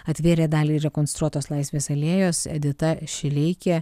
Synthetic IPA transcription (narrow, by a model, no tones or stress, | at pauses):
ɐt̪ʲʋʲiːɾʲeːd̪ɑːlʲiːɾʲɛkɔnst̪ɾuɔt̪oːslˠɑˑɪsʲʋʲeːsɐlʲiɛjoːsɛ̰d̪ʲɪt̪ɐʃʲɪlʲɪɪkʲe